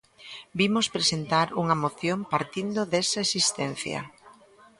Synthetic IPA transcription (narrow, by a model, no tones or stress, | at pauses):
bimospɾesent̪aɾuŋɐmoθjompaɾt̪ind̪ʊðesɐesist̪ɛn̟θjɐ̰